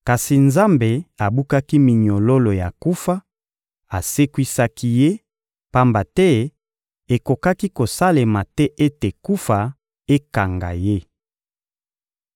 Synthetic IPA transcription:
ka˨si˨nza˦mbe˨a˨bu˦ka˦ki˦mi˨ɲo˨lo˦lo˨ja̰˨ku˦fa˦ | a˨se˦kwi˦sa˦ki˦je˦ | pa˦mba˨tɛ˦ | e˨ko˨ka˦ki˦ko˨sa˦le˨ma˨tɛ˦ʔe˦te˨ku˦fa˨ | e˦ka˨ŋɡa̰˨je˦

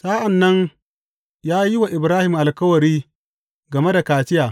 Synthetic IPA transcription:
saː˦ʔa˨nːɐ˦ŋ | jaː˦ji˦wa˨ʔɪ˨bɾaː˦hɪ˨mʔa˨lkɐ˦wɐ˨ɾiː˦ | ɡɐ˨me˦da˨kaː˨tɪ˦jaː˨

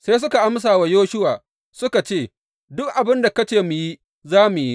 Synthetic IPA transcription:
seː˦sʊ˦ka˨ʔa˦ms̬aː˨wa˨joː˦ʃʊ˦waː˨ | sʊ˦ka˨t͡ʃeː˦˨ | dʊ˦k̚ʔa˨bɪ˦nda˨kɐ˦t͡ʃeː˨mu˨ji˦ | zaː˦mu˨ji˦

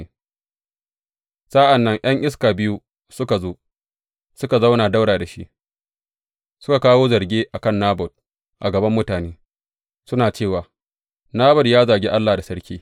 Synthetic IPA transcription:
sɐ˦ʔa˨nːɐ˦ŋʔj̰ɐ˦ŋʔɪ˦s̬kaː˨bɪ˦ju˦ | sʊ˦ka˨zoː˦ | sʊ˦ka˨za˦wnaː˨da˦wɽaː˨da˨ʃḭ˦ʔ | sʊ̥˦ka˨kaː˦woː˦zɐ˨ɽɡʲeː˦ʔa˨kɐ˦˨nːaː˦bɔ˨d̚ | ʔa˨ɡɐ˨bɐ˦mːʊ˦taː˨neː˦ | sʊ˦naː˨t͡ʃeː˦˨waː˨ | naː˦bɔ˨djaː˦zaː˨ɡʲeː˦ʔa˦lːaː˨da˨sɐ˦ɽkʲiː˦

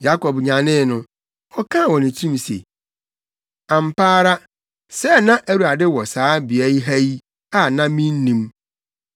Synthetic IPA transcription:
ja˦kʰɔ˨bɲã˨nɪ̃˦˨nʊ̃˦ | ɔ˦kʰã˦˨wɔ̃˨nɪ̃˨tʰĩ˦m˨sḛ˨ | ã˨m̩˨pʰaː˦ɾa˦ | sɛ˦˨nã˦ʔæ˦ɾu˨a˨dɪ˦wɔ˨saː˨˦bi˨æ˨˦i˦ɦæ˦ji˦ | a˦nã˦mĩ˦n̩˦nĩ˦m

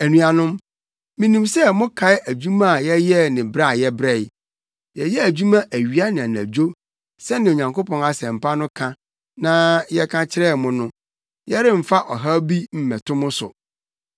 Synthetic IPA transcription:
æ˨nũ˨a˨nʊ̃˦m | mĩ˦nĩ˨msɛ˦mʊ̃˦kʰa˨ɪ˦ʔæ˨d͡ʑᶣu˦mã˦a˨jɛ˦jɛ˦nɪ̃˨bɾa˦˨jɛ˦bɾɛ˦˨ɪ˨ | jɛ˨jɛ˦æ˨d͡ʑu˦mã˦ʔæ˨ɥi˨a˦nɪ̃˨a˨næ̰˨d͡ʑo˦ | sɛ˦nɪ̃˨o˨ɲã˨ŋko˦pʰɔ̃˨ŋa˨sɛ̃˨m̩˨pʰa˦nʊ̃˦kʰã˦ | nã˦jɛ˦kʰã˦t͡ɕʰɪ˦ɾɛ˦˨mʊ̃˦nʊ̃˦ | jɛ˦ɾɪ˦m̩˨fa˦ʔɔ˨ɦa˦bi˦m̩˦mɛ̃˨tʰʊ̃˦mʊ̃˦sʊ̰˨

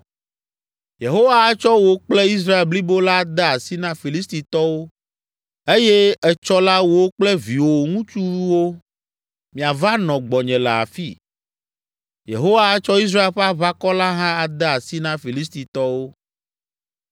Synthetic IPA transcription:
je˨ɦo˦wa˦t͡ʃɔ˦wo˦k͡ple˦i˦s̬ɾa˦e˨lbli˦bo˦la˦d̪ɛ˦a˨si˦nã˦fi˨li˦st̪i˨t̪ɔ˦wo˦ | e˦je˦ɛ˨t͡ʃɔ˦la˦wo˦k͡plɛ˦vi˨wo˨ŋũ˦t͡ʃu˦wo˦ | mĩ˨a˨va˦nɔ̃˨ɡ͡bɔ˨ɲɛ̃˨lɛ̰˨a̰˨fḭ˦˨ | jḛ˨ɦo˦wa˦t͡ʃɔ˦i˦s̬ɾa˦e˨lɸɛ˦a˦βa˦kɔ˦la˦ɦã˦a˨d̪ɛ˦a˨si˦nã˦fi˨li˦s̬t̪i˨t̪ɔ˦wo˦

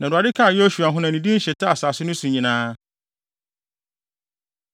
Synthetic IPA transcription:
nã˨u˨a˨dɪ˦kʰã˦˨jɛ˦ɔ˦ɕu˨a˨ɦʊ̃˦nã˨nĩ˨di˦n̩˦ɕɛ˨tʰa˦a˨saː˨sʊ˦nʊ̃˦sũ˨ɲĩ˨nãː˦

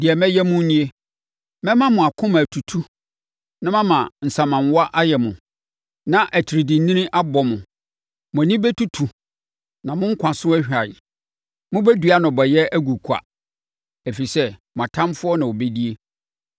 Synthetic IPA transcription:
dɪ˨ɛ˨mɛ̃˦jɛ˦mʊ̃˦n˦nĩ˦e˦ | mɛ̃˦mã˦mʊ̃˨a˨kʰʊ̃˦mã˨tʰu˨tʰu˦ | nã˦mã˦mã˨n̩˨sã˨mã˨n˨˦wa˦ʔa˦jɛ˨mʊ̃˨ | nã˦ʔæ˨tʰi˨ɾi˨dĩ˨n˦nĩ˦nɪ̃˦ʔa˦bɔ˨mʊ̃˨ | mʊ̃˨nĩ˦bɛ˦tʰu˦tʰu˨ | nã˨mʊ̃˦ŋ̩˦kʷʰã˨sʊ̃˦æ˦hᶣa˨ | mʊ̃˦bæ˦du˨a˦nʊ̃˨bɔ˨jɛ˦æ˦ɡu˨kʰu˨a̰˨ | e˨fi˨sɛ˦mʊ̃˨a˨tʰã˦mfʊ˦ɔ˦nã˨wo˨be˦di˦e˦

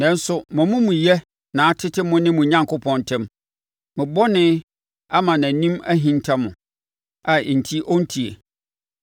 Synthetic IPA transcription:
nɛ̃˦n˦sʊ˨mʊ̃˨mʊ̃˦mũ˨jɛ˦ | nãː˨a˦tʰɪ˦tʰɪ˦mʊ̃˦nɪ̃˦mũ˨ɲã˦ŋkʊ˦pʰɔ̃˦ntʰɛ̃˦m | mɪ̃˨bɔ˦nɪ̃˦ | a˦mã˨nã˨nĩ˦mæ˦ɦĩ˦n˦tʰa˦mʊ̃˨ | a˨n̩˨tʰi˦ʔɔ˦n̩˦tʰi˨ḛ˨

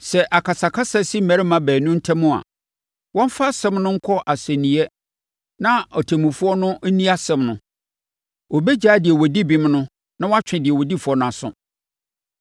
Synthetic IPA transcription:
sɛ˨ʔa˨kʰa˨sa˨kʰa˦sa˦si˦m̩˦mæ˨ɾɪ˦mã˨bæː˨nʊ̃˦n̩˦tʰɛ˦mʊ̃˦a̰˨ | wɔ̃˦m̩˦fa˦sɛ̃˦mnʊ̃˦ŋ̩˦kʰɔ˦ʔa˨sɛ̃˨nĩ˨ɛ˦ | nã˦ɔ˨tʰæ˨mũ˨fʊ˦ɔ˦nʊ̃˦ʔnĩ˦a˦sɛ̃˦mnʊ̃˨˦ | wo˨bɛ˦d͡ʑaː˦dɪ˨ɛ˨wɔ˨di˦bĩ˨mnʊ̃˦ | nã˦wa˦t͡ɕᶣɪ̃˨dɪ˨ɛ˨wɔ˨di˦fu˨˦ɔ˦nʊ̃˨a˨sʊ̰̃˦

